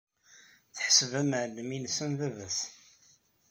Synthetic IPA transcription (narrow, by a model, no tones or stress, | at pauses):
θəħəsəvæməʕlːəminsənðævæs